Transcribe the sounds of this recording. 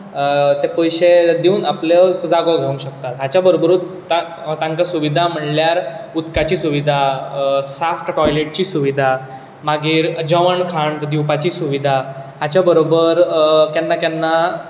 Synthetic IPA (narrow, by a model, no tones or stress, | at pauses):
t̪epəjɕed̪eũːnapləd͡zaɡoɡʱeũɕək̚t̪at̪ɦat͡ɕjabəɾobəɾu | t̪a | t̪ãŋkasuʋid̪ʱam̤əɳljaɾut̪kat͡ɕiːsuʋid̪ʱasafʈʈɔjleʈ̚t͡ɕiːsuʋid̪ʱa | maɡiːɾəd͡ʑaʋəɳkʰaɳd̪iwpat͡ɕiːsuʋid̪ʱaɦat͡ɕabəɾobəɾkjanːakjanːa